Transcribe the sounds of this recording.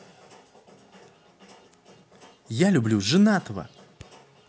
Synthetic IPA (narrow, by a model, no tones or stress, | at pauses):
jalʲʊblʲuʐɨnat̪əvə̰